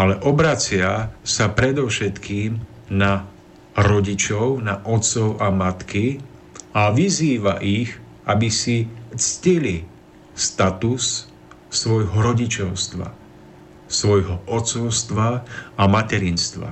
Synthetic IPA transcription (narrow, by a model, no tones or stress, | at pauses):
alɛʔɔbɾat͡sɪasapɾɛd̪ɔʊʃɛt̪kiːm | na | ɾɔɟit͡ʃɔʊnaʔɔt̪t͡sɔʊʔamat̪ki | aʋiziːʋa̰ʔiɣ | ʔabisit͡scili | st̪at̪usː | ʋɔjɦɔɾɔɟit͡ʃɔʊst̪ʋa̰ | sʋɔjɦɔʔɔtt͡sɔʊst̪ʋaamatɛɾiːnst̪ʋa̰